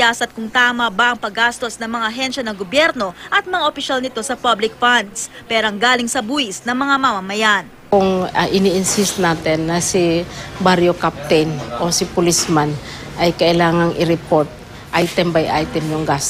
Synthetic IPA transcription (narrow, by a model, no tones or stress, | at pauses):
asɐt̪̚kʊŋt̪aːmɐbɐʔɐŋpɐɡast̪o̞snɐŋmɐŋaʔɐɦɛnʃɐnɐŋɡobjɛɾno̞ʔɐt̪̚mɐŋaʔopɪʃalnɪt̪o̞sɐpablɪk̚fand̪spɛːɾoɐŋɡaːlɪŋsɐbuːɪsnɐŋmɐŋamamɐmɐjan | kʊŋɐʔɪniʔɪnsist̪̚naːt̪ɛnːɐsibaɾjokap̚t̪ɛjnʔosipʊlisman | ʔɐjkɐʔɪlaːŋɐŋɪɾɛpoɾt̪̚ | ʔajt̪ɛmbɐjʔajt̪ɛmjʊŋɡas